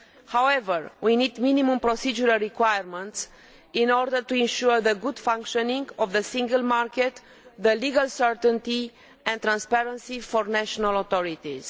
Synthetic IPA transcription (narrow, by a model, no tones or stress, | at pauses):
hawevəɹwinid̪minimũmpɾosid͡ʒuɾalɾikwajəɾmə̃nt̪s | inɔɾd̪əɾt̪uĩnʃuɾðəɡud̪fãŋkʃonĩŋɡovðəsĩŋɡəlmarket̪ | ðəliɡalsəɹt̪ə̃nt̪i | ɛ̃nt̪ɾãnspɛɾə̃nsifornæʃonalot̪oɾit̪iz̥